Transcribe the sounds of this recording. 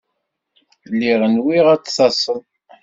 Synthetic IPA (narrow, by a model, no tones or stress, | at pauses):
lːiʁənwiʁæt͡ssɑsˤəðˤ